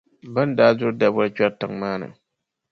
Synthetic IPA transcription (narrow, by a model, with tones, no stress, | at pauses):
ba˦n˦daː˦zʊ˦ɾda˦bt͡ʃa˦ɾtɨ˨ŋmaː˦nɨ̰˨